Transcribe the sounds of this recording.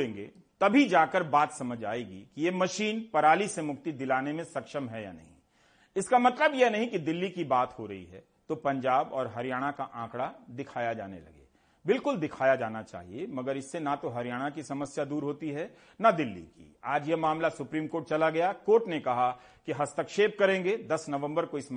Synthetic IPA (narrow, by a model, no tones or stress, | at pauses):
ẽːŋɡḛː | t̪ɐbʱid͡ʒaːkəɾbaːt̪sɐməd͡ʒʱa̰ːeːɡḭkijemɐʃiːnpɐɾaːlisemʊkt̪id̪ɪlaːnemẽsɐkʃəmɦɛja̰nɐ̰ɦḭ̃ | ɪskamɐt̪ləbjenɐɦĩkid̪ɪlːikibaːt̪hoɾɐɦḭɦɛ̰ | t̪opɐ̃ɲd͡ʒaːbɔːɾɦɐɾijaːɽ̃akaʔãːkɽad̪ɪkʰaːjad͡ʒa̰ːnḛlɐ̰ɡḛː | bɪlkʊld̪ɪkʰaːjad͡ʒaːnat͡ʃa̰ːɦḭemɐɡəɾɪsːenat̪oɦɐɾijaːɽ̃akisɐməsjad̪uːɾɦoːt̪iɦɛ | nad̪ɪlːḭkḭaːd͡ʒjemaːmlasʊpɾiːmkoːɾʈ̚t͡ʃɐlaɡɐjakoːɾʈnekɐɦa | kiɦɐst̪əkʃeːb̚kɐɾẽːŋɡed̪ɐsnɐʋə̃mbəɾkoɪs